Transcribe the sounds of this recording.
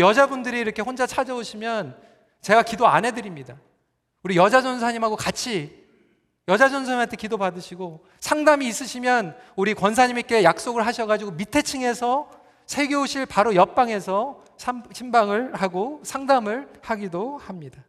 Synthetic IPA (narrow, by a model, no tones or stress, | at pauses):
jʌd͡ʑabundɯɾiːɾʌkʰe̞ɸond͡ʑat͡ɕʰad͡ʑʌoɕʰimjʌn | t͡ɕe̞ɡakidoa̰nɦe̞dɯɾimɲida | uɾijʌd͡ʑad͡ʑʌns̬ʰaɲimɦaɡokat͡ɕʰi | jʌd͡ʑad͡ʑʌnsʰamɦantʰe̞kidopadɯɕʰiɡo | sʰaŋdamiːs͈ɯɕʰimjʌnuɾikwʌnsʰaɲimik͈e̞jak̚s͈oɡɯɭɦaɕʰʌɣad͡ʑiɡomitʰe̞t͡ɕʰiŋe̞sʰʌ | sʰe̞ɡeoɕʰiɭpaɾojʌp͈aŋe̞sʰʌ | ɕʰimbaŋɯɭhaɡosʰaŋdamɯɭhaɡidohamɲida